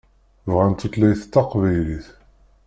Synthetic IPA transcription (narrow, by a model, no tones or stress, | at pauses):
vʁænt̪ːut̪læjθt̪ːɑqvæjliθ